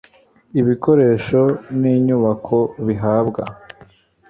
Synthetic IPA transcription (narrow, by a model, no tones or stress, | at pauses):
iβiko̞ɾe̞ːʃo̞niːɲuβakʰo̞βiɦaːbɡa̰